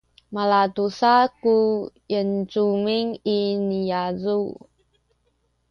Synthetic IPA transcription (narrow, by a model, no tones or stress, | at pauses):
malatusaku | jənt͡sumiŋinijazu